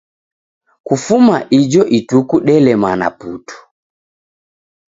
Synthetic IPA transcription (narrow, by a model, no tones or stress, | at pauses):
kufumaʔid͡ʒɔʔitukuɗɛlɛmana̰putu̥